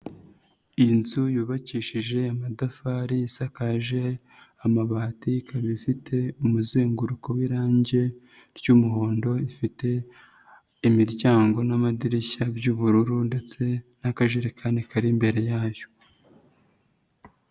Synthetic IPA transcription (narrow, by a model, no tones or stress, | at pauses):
inzujuːβaciːʃiʒe̞amadafaɾisakaʒe̞ | amaβaːtikʰaβifitʰe̞umuzeːŋɡuɾuko̞wiɾaːɲɟe̞ | ɾjuːmuɦo̞ːndo̞ifite̞ | imiɾɟaːŋɡo̞namadiɾiçabjuːβuɾuɾunde̞t͡se̞nakaʒeɾekʰaːnekʰaɾimbe̞ɾe̞jaːjo̥